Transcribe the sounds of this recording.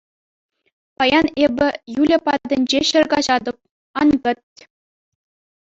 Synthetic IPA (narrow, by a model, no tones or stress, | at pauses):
pɑjɑnebʲɘ̆julʲɘ̆pɑd̪ʲɘ̆nʲd͡ʑeɕɘ̆rɡɑʑɑd̪ɤ̆p̚ | ɑnkɤ̆t̪̚ʲ